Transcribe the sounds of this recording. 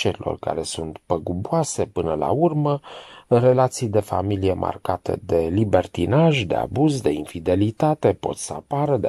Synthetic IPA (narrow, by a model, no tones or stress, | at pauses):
t͡ʃeɾilo̰rka̰ɾe̞sunt̪pəɡubuase̞pɨnəla̰urməre̞lat̪sijd̪e̞fa̰milije̞mʔa̰rkat̪ḛd̪e̞libe̞rt̪inaʒd̪e̞̰a̰buzd̪e̞infid̪e̞lit̪at̪e̞po̞̰t̪səapaɾəd̪e